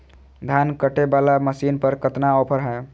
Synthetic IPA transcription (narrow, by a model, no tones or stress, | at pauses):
d̪ʱankəʈebalaməsinpəɾkət̪naɔpʰəɾɦɛ